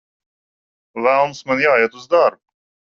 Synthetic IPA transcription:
vælˠnsmanjaːjat̪uzd̪aɾb

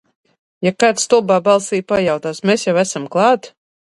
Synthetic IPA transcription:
jakat̪st̪ulˠbaːbalˠsiːjpajawt̪aːsmesjawæsamklˠɑːt̪

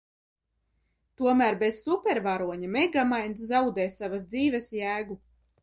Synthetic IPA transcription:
t̪uɔmæːɾbez̥supʲeɾvaɾuɔɲameɡamajnszawd̪ɛːsavasd̪ziːvɛsjæːɡu

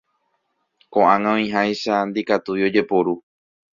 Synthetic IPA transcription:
kõʔãŋãõĩɦajʃand̪ikat̪uio̞d͡ʒe̞poɾu

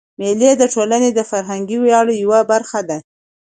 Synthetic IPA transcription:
meled̪əʈolaned̪əfaɾɦaŋɡiwjɑɽjawabaɾxad̪a

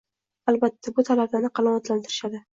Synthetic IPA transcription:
albat̪ʰːabʊt̪ʰalablanɪqʰɑlˠamat̪lant̪ʰɪɾɪʃad̪ɪ

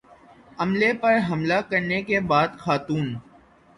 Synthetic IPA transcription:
ɐmlepɐɾɦɐmlakɐɾnekebaːd̪xaːt̪uːn

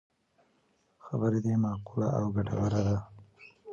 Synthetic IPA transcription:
xabəɾed̪emɑqula̰ʔawɡaʈa̰waɾad̪a

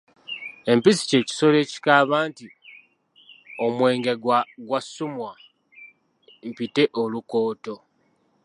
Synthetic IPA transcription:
e̞mpisi̥ce̞ːci̥so̞le̞ːci̥kaːβaːnti | o̞mwe̞ːŋɡeɡwaɡwasːumwa | m̩pite̞ʔoluko̞ːto̞

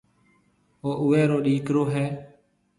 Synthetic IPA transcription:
oːʔʊʋɛːɾoːɗiːkɾoːɦɛː

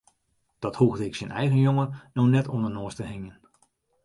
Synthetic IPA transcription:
d̥ɑthuɣdəɪksinʔɛjɣənjoŋənoxnɛtʰɔndənʊːstəhɪŋjən

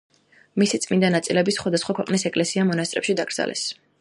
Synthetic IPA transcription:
misit̪sʼmind̪anat̪sʼilɛbisχwad̪asχwakʰwɛqʼnisɛkʼlɛsiamɔnast̪sʼɾɛpʃid̪aɡ̥ɾd̪za̰lɛ̰s

